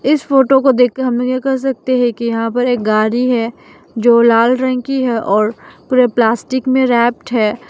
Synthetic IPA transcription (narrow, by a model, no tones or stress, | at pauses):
ɪsfoːʈokod̪eːkɦɐmlkekɐɾs̬ɐk̚t̪eɦɛ̃kijɐɦãpɐɾeːk̚ɡaːɾiɦɛː | d͡ʒoːlaːlɾɛ̃ŋkiɦɛʔɔːɾpuːɾeplaːsʈɪkmẽɾɛːp̚ʈɦɛː